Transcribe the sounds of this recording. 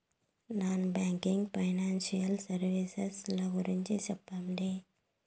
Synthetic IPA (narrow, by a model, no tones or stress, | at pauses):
naːnbaːŋkiŋɡpʰɐjnaːnsijɐlsɐɾʋiseslaɡuɾiɲt͡ʃet͡ʃɐpːamɖ̪eː